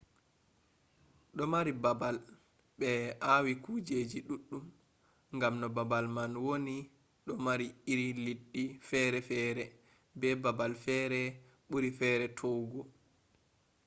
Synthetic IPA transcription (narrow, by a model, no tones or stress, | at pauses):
ɗɔmaɾibabal | ɓɛawikud͡ʒed͡ʒiɗuɗːum | ŋɡamnɔbabalmanwoni | ɗɔmaɾiiɾiliɗːifɛːɾɛfɛːɾɛ | bɛbabalfɛɾɛ | ɓuɾifɛːɾɛtʰowɡɔ